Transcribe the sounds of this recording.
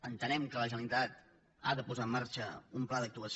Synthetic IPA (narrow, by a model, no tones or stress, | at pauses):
ənt̪ənɛmkələʒənəlit̪at̪ | a̰ðəpuzaəmːaɾt͡ʃəumplaðək̚t̪uəs